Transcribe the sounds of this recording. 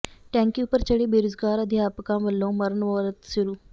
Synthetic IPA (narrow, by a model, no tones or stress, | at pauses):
ʈɛ̃ːŋkiːʊpːəɾt͡ʃəɽiːbeːɾʊzɡaːɾəd̪jaːpkãːʋəlːõːməɾənʋoːɾət̪sʊɾuː